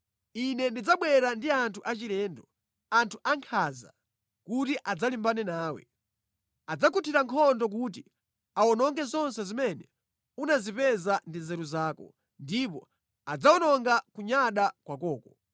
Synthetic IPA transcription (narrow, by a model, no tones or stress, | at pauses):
inɛndid͡zaɓwɛɾandiantʰuʔat͡ʃiɾɛːndɔ | antʰuʔaŋkʰaza̰ | kutiʔad͡zalimbanɛnaːwɛ̰ | ad͡zakʰutʰiɾaŋkʰɔndɔk̬ut̬i | aɔnɔŋɡɛzɔnsɛzimɛnɛ | unazipɛzandizɛɾuzaːkɔ̰ | ndipɔ̰ | ad͡zaɔnɔŋɡakuɲaɗakwakɔːkɔ